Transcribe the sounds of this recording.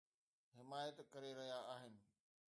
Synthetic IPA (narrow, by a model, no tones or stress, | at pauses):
ɦɪmaːjət̪kɐɾeɾɐɦijaaːɦɪnɪ̆